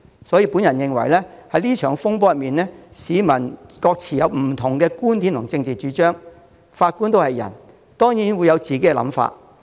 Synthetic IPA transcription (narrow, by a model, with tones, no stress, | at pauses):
sɔː˨˥jiː˧pu˨˥njɐ˨˩njɪ˨ŋwɐ̰˨˩jlɛː˥ | hɐ˨˥jliː˥t͡ʃʰœː˨˩ŋfʊ˥ŋpɔː˥jɐ˨t̚miː˨nlɛː˥siː˨˧mɐ˨˩nkɔː˧k̚t͡sʰiː˨˩jɐ˨˧wm̩˨˩t̪ʰʊ˨˩ŋkɛː˧kuː˥nt̪iː˨˥nt̪ʰʊ˨˩ŋt͡sɪ˧ŋt͡siː˨˩t͡ʃyː˨˥t͡ʃœː˥ŋ | faː˧t̚kuː˥nt̪̬o˥whɐ˨jɐ̰˨˩n | t̪ɔː˥ŋjiː˨˥nwuː˨˧jɐ˨˧wt͡siː˨˩ke˨˦˥kɛ˧lɐ̰˨˥mfa̰ː˧t̚